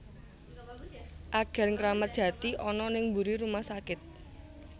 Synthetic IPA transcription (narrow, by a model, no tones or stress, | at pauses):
ʔaɡ̥ɛ̤rŋkɾamət̪̚d̥ʒ̥ä̤t̪iʔɔnɔnɪŋmbuɾiɾumahsakɪt̪̚